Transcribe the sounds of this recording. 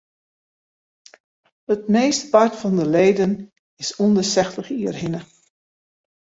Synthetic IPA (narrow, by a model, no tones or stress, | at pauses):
ət̚meːstpatfɔndəleːdən | ɪsundəsɛxtləxiərɦɪnə